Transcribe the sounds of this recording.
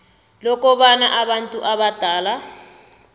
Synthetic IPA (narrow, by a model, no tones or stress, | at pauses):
lɔkɔβanaʔaβantʼuʔaβad̥ʱaːla